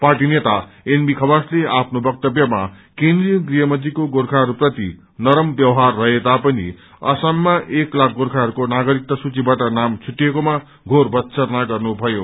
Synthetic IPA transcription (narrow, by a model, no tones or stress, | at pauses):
parʈinet̪a | enbikʰʌbasleapʰnobʌk̚t̪ʌbjʌma | kend̪rijɡrijʌmʌd̪ikoɡorkʰaɦʌɾuprʌt̪ḭ | nʌɾʌmbjʌwɦarːʌɦet̪apʌnḭ | ʌ̰samːaʔeklak̚ʰɡoɾkʰaɦʌɾukonaɡʌɾik̚t̪ʌsut͡sibaʈʌnamt͡sʰuʈːjekoma | ɡʱorbʌt̪sʌrnaɡʌrnubʱʌjo